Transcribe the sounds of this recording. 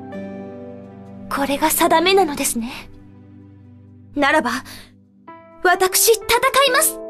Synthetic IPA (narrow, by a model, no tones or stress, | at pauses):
kʰo̞ɾe̞ɡasad̪ame̞nano̞d̪e̞sɨne̞ | naɾaba | βat̪akɯ̟̥ɕit̪at̪akaimasɨ̥